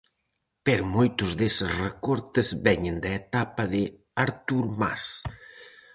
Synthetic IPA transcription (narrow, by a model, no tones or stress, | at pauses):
pɛɾʊmojt̪ʊzðesɪsrekɔɾt̪ɪzβɛɲend̪aet̪apɐðɪ | aɾt̪uɾma̰s